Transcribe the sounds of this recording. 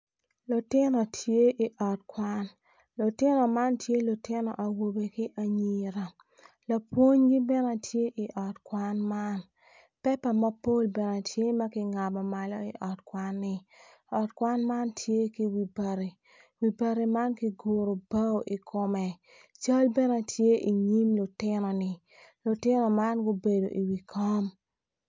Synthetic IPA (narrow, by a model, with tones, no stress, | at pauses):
lʊ˨tɪ˦nɔ˨tʰje˦ʔi˨ʔɔ˨tkwa˦n | lʊ˨tɪ˦nɔ˨ma˦ntje˦lʊ˨tɪ˦nɔ̰˨ʔa˨wo˨be˨kɪ˦ʔa˨ɲi˨ɾa˨ | la˨pwo˦ɲɡi˦bɛ˦na˨tʰje˦ʔi˨ʔɔ˨tkwa˦nma˦n | pɛ˦pa˨ma˦po˦lbɛ˨na˨tʰje˦ma˦kɪ˦ŋa˨mɔ˨ma˨lɔ˦i˨ʔɔ˨tkwa˦nːɪ˦ | ɔ˨tkwa˦nma˦ntʰje˦ki˦wi˨ba˨ɾi˨ | wi˨ba˨ɾi˨ma˦nki˦ɡo˨ɾo˨ba˦o˦ʔi˨kʊ˨mɛ˨ | t͡ʃa˦lbɛ˦na˨tje˦ʔi˨ɲi˦mlʊ˨tɪnɔ˨nɪ˨ | lʊ˨tɪ˦nɔ˨ma˦nɡo˦be˨do˨ʔi˨wi˨kʰa˦m